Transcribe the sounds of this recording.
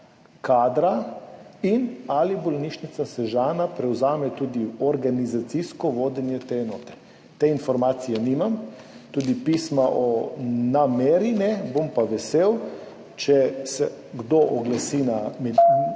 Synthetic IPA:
kaːd̪ɾa | inalibɔlniʃnit̪sasɛʒaːnapɾɛwzaːmɛt̪uːd̪iɔɾɡanizat̪siskɔʋoːd̪ɛnjɛt̪eɛnɔːt̪ɛ̥ | t̪einfɔɾmaːt̪sijɛnimam | t̪uːd̪ipismaʔɔnameɾinɛbompaʋɛseːw | t͡ʃɛsɛɡd̪oʔɔɡlasinam

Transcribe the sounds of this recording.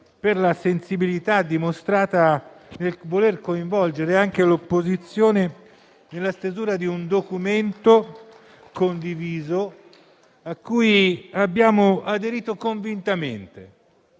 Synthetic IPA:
perlasensibilit̪ad̪ːimost̪ɾaːt̪a | nelvolerkoiɱvɔld͡ʒeɾeaŋk̟elopːozit̪sːjoːne | nelːast̪ezuːɾad̪iund̪okument̪o | kond̪iviːzo | akːujabːjaːmoad̪eɾiːt̪okoɱvint̪ament̪e

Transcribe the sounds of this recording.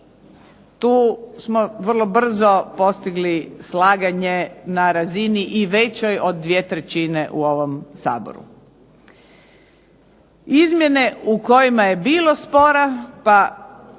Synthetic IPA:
t̪uːsmoʋr̩lˠo̞br̩zopo̞st̪iɡlislaːɡaɲenaɾaziniʔiʋe̞t͡ɕojod̪ːʋiet̪ɾet͡ɕine̞ʔuo̞ʋomsa̰ːbo̰ɾṵ | izmje̞ne̞uko̞jimaje̞biːlˠo̞spo̞ɾapa

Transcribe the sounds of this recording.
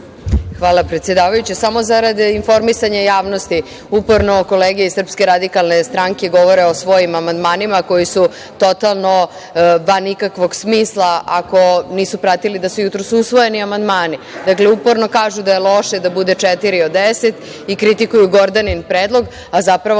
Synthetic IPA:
xʋaːlˠapɾet̪sje̞d̪aːʋajut͡ɕesamo̞zaɾad̪info̞ɾmisaɲejaːʋnost̪i | upo̞ɾno̞ko̞leɡeeisr̩pske̞ɾad̪ikalˠnest̪ɾaŋkeɡo̞ʋo̞ɾe̞osʋo̞jimamand̪maːnimako̞jisu | t̪o̞t̪alˠno̞ | ʋanikakʋo̞ɡsmiːslˠaʔako̞niːsupɾat̪ilid̪asujut̪ɾosuusʋo̞jeniamand̪maːni | d̪akleupo̞ɾno̞kaːʒud̪ajelˠo̞ʃed̪abud̪et͡ʂɛt̪iɾiod̪eset̪ | ikɾit̪ikujuɡoɾd̪aninpɾeːd̪lˠo̞ɡ | azapɾaʋo

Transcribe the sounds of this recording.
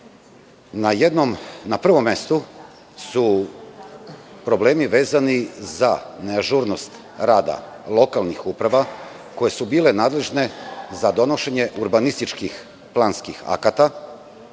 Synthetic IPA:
najed̪nomnapr̩ʋo̞mːe̞st̪u | su | pɾo̞ble̞ːmiʋe̞ːzanizaneaʒuɾnost̪ | ɾaːd̪a̰ | lˠo̞kalnixuːpɾaʋa | ko̞je̞subiːlenaːd̪le̞ʒne̞zad̪o̞no̞ʃe̞ɲe̞ʔuɾbanist̪it͡ʃkix | plˠaːnskixa̰kat̪a

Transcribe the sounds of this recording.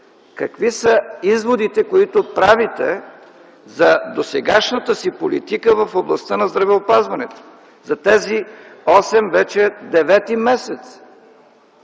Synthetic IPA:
kɐkvisɐizvod̪it̪ɛkoit̪opɾavit̪ɛ | zɐd̪osɛɡaʃnət̪əsipolḭt̪ikəvɐfoblˠɐst̪ənɐzd̪ɾɐvɛopazvɐnɛt̪o̥ | zɐt̪ɛziɔsɛmvɛt͡ʃɛd̪ɛvɛt̪imɛsɛt̪s

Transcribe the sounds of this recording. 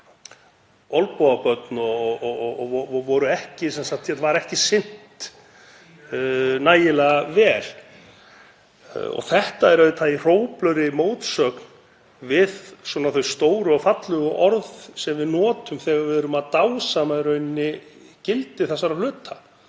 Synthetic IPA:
ɔlpɔðapœt̪nɔ | ɔvɔɾʏɛhcɪsɛnsak̚t̪jɛt̪vaɾɛhcɪsɪn̥t̪ | naːjɪlɛɣavɛːl | ɔ̰θɛht̪aɛɾœɪt̪ʰaðir̥oːwplœɥɾɪmoːwt̪sœkn | vɪðswɔnaθœjst̪oːwɾʏafat̪lʏɣʏʔɔɾðsɛmvɪðnɔːt̪ʏmθɛːɣaɾvɪðʏɾʏmaðt̪awsamaðɾœɥnːɪ | cɪlt̪ɪθɛsːaɾalʏːt̪ʰa

